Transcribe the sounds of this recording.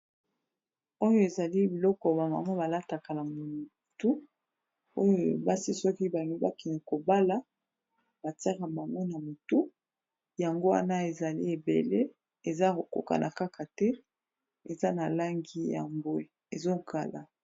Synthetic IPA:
o˦jo˦e˨za˨li˦bi˨lɔ˦kɔ˨ba˨ma˨ma˦ba˨la˦ta˨ka˨na˨mu˨tu˦ | o˦jo˨ba˦si˦sɔ˦ki˦ba˨ŋɡi˦ba̰˦kɛ˨ni˨ko˨ba˦la˦ | ba˨ta˦ʁa˨ba˨ŋɡo˦na˨mo˨tu˦ | ja˨ŋɡo˦wa̰˦na˦e˨za˨lḭ˦e˨bḛ˨le˦ | e˨za˦o˨ko̰˨ka̰˨nʔa̰˨ka˦kʰa˨tɛ˦ | e˨za˦na˨la˦ŋɡi˦ja̰˨mbwe˦ | e˨zo˦ɡa̰˨la˨

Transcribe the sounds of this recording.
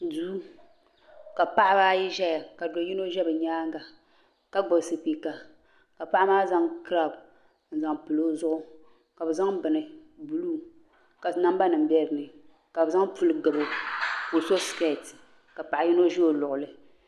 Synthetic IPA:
duː˦ | ka˨pa˦ʔa˦baː˦ji˦ʒɛ˦ja˨ka˨do˨ji˦no˦ʒɛ˦bɨ˨ɲaː˦ŋɡa˨ | ka˦ɡ͡bo˨sɨ˨pi˨ka˨ | ka˨pa˦a˦maː˦za˦ŋkɨ˦ɾa˦˨b | n̩˨za˨ŋpɨ˨lo˦zʊ˦ʔʊ˦ | ka˨bɨ˨za˦ŋbɨ˨nɨ˨bu˨lu˦ | ka˨na˦m˦ba˦nɨ˨m̩˨bɛ˦ɾɨ˨nɨ˨ | ka˨bɨ˨za˦ŋpu˦lɨ˦ɡɨ˨bɨ˨ku˨so˦ske˦˨t | ka˨pa˨ʔa˨ji˦no˦ʒi˦o˨lʊ˨ʔʊ˨lɨ˨

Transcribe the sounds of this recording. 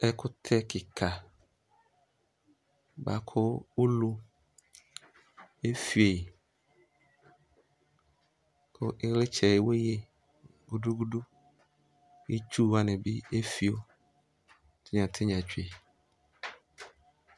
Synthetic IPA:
ɛ˦kʊ˦t̪ʰɛ˦ki˨kʰa˨ | ba˨kʰʊ˦wo˦lu˦ | e˦fi˨e˨ | ko˦ʔe˦ɣle˦t͡ʃɛ˨je˨wo˦je˦ | ɡu˦du˦ɡu˦ɖu˦ | je˦t͡ʃu˦wa˨nɛ̃˨bi˦e˦fi˦o˦ | t̪ɪ˦ɲã˨t̪ʰɪ˦ɲã˨t͡ʃu˦e˨

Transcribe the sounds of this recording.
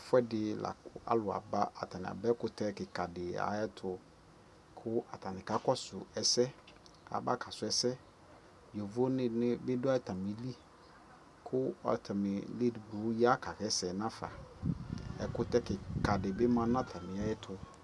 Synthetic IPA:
fʊ˦ɛ˦dɪ˨la̰˨kʊ˨a̰˦lʊ˨a̰˨ba˦a˨ta˨nɪ̰̃˨a̰˨bɛ˦kʊ˦tɛ˦kɪ˨ka˨dɪ˨a̰˨jɛ˦tʰʊ˨ | kʰʊ˦a˨ta˨nɪ˨ka˦kɔ˦sʊ̰˨ɛ˨sɛ˦a̰˨ba̰˦kʰa˨sʊ˨˦ɛ˨sɛ˦ | jo˨vo˦nɪ˦nɪ˦bɪ˦dʊ˦a˦ɛ˦ta˨mi˨˦li˦ | kʰʊ˦ɔ̰˨tʰa˨mɪ˨li˦dɡ͡bu˨˦ja˦ka˨kɛ˦sɛ˨nã˦fa̰˨ | ɛ̰˨kʊ˦tɛ˦kɪ˨ka˨dɪ˨bɪ˦mã˦nã˦tʰa˨mɪ̃˨a˨˦jɛ˦tʰʊ˨

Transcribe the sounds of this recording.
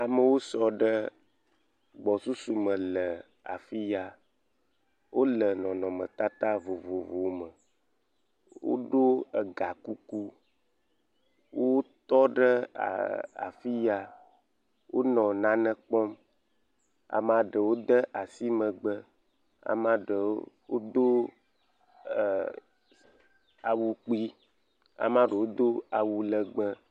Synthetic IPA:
a˨mə˨wo˦sɔ˦ɖə˦ | ɡ͡bɔ˨su˦su˨mə̃˨lə˨ | a̰˨fi˦ja˨ | wo˦lə˨nɔ̃˨nɔ̃˨mə̰̃˨t̪a˦t̪a˦vo˨vo˨vo˨mə˨ | wo̰˦ɖo˦ə˨ɡa˨ku˦ku˦ | wo˦t̪ɔ˦ɖə˦a̰˨a̰˨fi˦ja˨ | wʔo˦nɔ̃˨nã˦nə̃˦k͡pɔ˦m | a̰˨mã˨ɖə˨wo˦d̪ə˦ʔa˨si˦mə̃˨ɡ͡bə˦ | a̰˨mã˦ɖə˨wo˦d̪o˦˨ | a˨wu˦k͡pi˦ | a̰˨mã˦ɖe˨wo˦d̪o˦a˨wu˨lə˦ɡ͡bə˦

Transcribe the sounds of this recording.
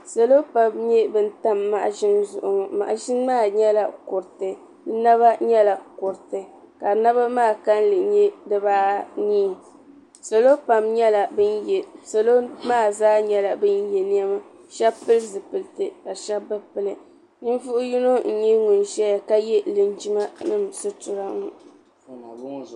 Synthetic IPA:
sa˨lo˦pa˨mɲɛ˦bɨ˦n̩˦ta˦mːa˦˨ʔʒɪ˦nzʊ˨ʔʊ˨ŋɔ˨ma̰˨ʔʒɪ˦n˦maː˦˨ɲɛ˦la˨kʊ˨ɾɨ˨tɨ˨ | ɨ˦na˦βa˦ɲɛ˦la˨kʊ˨ɾɨ˨tɨ˨ | ka˨na˦βa˦maː˦˨ka˦n˦lɨ˨ɲɛ˦dɨ˦baː˦niː˦˨ | sa˨lo˦pa˨mɲɛ˦la˨bɨ˦n˨sa˨lo˦maː˦˨zaː˦ɲɛ˦la˨bɨ˦njɛ˨ni˦a˦ma˦ | ʃɛ˦pɨ˦lzɨ˨pɨ˨ltɨ˨ka˨ʃɛ˦bɨ˦pɨ˦˨lɨ˨ | ɲi˦n˦vʊ˦ʔʊ˦ji˦no˦n̩˨ɲɛ˦ŋʊ˨n˨ʃɛ˦ja˨ka˦jɛ˦lɨ˨nd͡ʒi˦ma˦nɨ˦msɨ˦tʊ˨ɾa˦ŋʊ˨

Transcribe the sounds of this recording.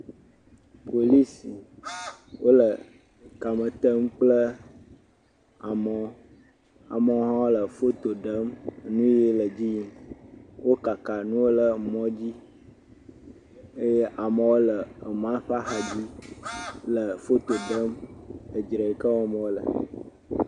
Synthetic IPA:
po˨li˦si˨ | wo˦lə˨ | ka˨mə˨t̪ə˦mk͡plə˦ | a˨mə˨ | a̰˨mə˨˦ɦã˦wlə˨fo˦t̪o˨ɖə˦mnũ˦je˦lə˨d͡ʑi˦˨ | wo˦ka˨ka˨nũ˦wo˦lə˨mɔ̃˦d͡ʑi˦ | a˨mə̃˨wo˦lə˨m˨ã˦ɸa˦xa˨d͡ʑi˦ | lə˨fo˦t̪o˨ɖə˦mə˨d͡ʒɾə˨kə˦wɔ̃˨mə̃˨wo˦lə̰˨

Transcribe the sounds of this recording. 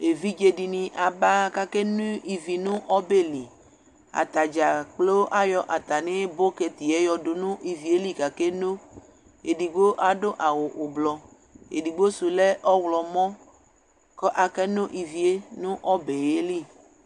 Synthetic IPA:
e˨vi˦d͡ʒe˦ɖi˨nĩ˨ʔa˨ba˦ka˦ke˦nũ˦i˨vi˨nũ˦ʔɔ˦be˦li˨ | a̰˨t̪a˨d͡ʒa˨k͡plo˦wo˦ʔa˦jɔ˦ʔa˨t̪a˨nẽ˦bo˦ke˨t̪i˨ɛ˦jɔ˨ɖo˨nũ˦ʔi˨vi˨e˦li˦ka˨ke˦no˦ | e˨di˨ɡ͡bo˦ʔa˨ɖo˦ʔa˨wo˨ʔo˨blɔ˨ | ḛ˨di˨ɡ͡bo˦su˨le˦ʔɔ˦wlɔ˨mɔ̃˦ | kɔ˦ʔa˨kɛ˦nõ˦ʔi˨vi˨e˦nũ˦ʔɔ˦be˨je˦li˦˨

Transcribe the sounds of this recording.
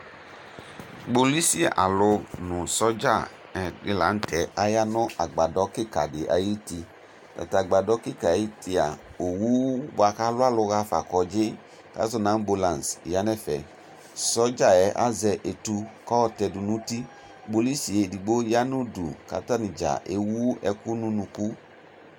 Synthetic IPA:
ɡ͡bo˨li˦si˦a̰˨ʔa̰˨lʊ˧nʊ̃˨sɔ˦d͡ʒa˦˨ | ɛ˨dɪ˨la˨˦n˦tɛ˨a˦ja˦nʊ̃˦ʔa˨ɡ͡ba˨dɔ˨˦kɪ˦ka̰˨dɪ˨ʔa̰˨ji˦ti˧ | ta̰˨ta˨ɡ͡ba˨dɔ˦kɪ˦ka˨a˨ji˦ti˧a̰˨o˨wu˦ba˧ka˦lʊ˦a˦lʊ˧ɣa˧fa̰˨kɔ˨d͡ʒɪ˦ | ka̰˦zɔ˦na˨˦n˦bo˧la˨n˨sja˦nɛ˦fɛ̰˨ | sɔ˦d͡ʒa˦ɛ˨˦ʔa̰˦zɛ˧ʔe˨tu˧kɔ˦˧tɛ˧du˨nũ˦ti˦ | bo˧li˦si˨e˧di˨ɡ͡bo˦ja˦nu˦dṵ˨ka̰˨ta˦ni˨d͡ʒa̰˨ʔḛ˦wu˦ɛ˧ku˦nũ˧˦nũ˧ku˦

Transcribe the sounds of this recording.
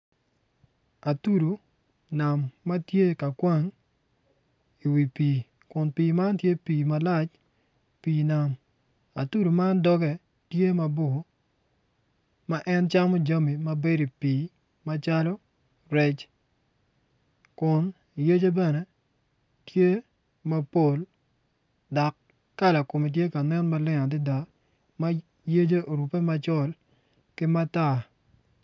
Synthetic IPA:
a˨tu˦ɾu˨ | na˨mːa˦tje˦ka˨kwa˦ŋ | i˨wi˨piː˨ | kʊ˨npiː˨ma˦ntje˦piː˨ma˦la˦t͡ʃ | piː˨na˨m | a˨tu˦ɾu˨ma˦ndɔ˦ɡɛ˨ | tje˦ma˨bo˨ | ma˦ʔɛ˦nt͡ʃa˦mɔ˦d͡ʒa˦mi˨ma˦be˦di˨pi˨˦ | ma˦t͡ʃa˦lɔ˦ | ɾɛ˦t͡ʃ | kʊ˨n˨ | je˦d͡ʒe˦bɛ˦nɛ˦ | tje˦ | ma˦po˨l | dɔ˨kː | a˦la˨ko˨mi˨t̬je˦ka˨nɛ˦nma˦lɪ˦ŋa˨dɪ˦da˨ | ma˦ | je˦d͡ʒe˦ʔo˨ɾu˨pe˦ma˦t͡ʃɔ˦l | kɪ˦ma˦ta˦˨

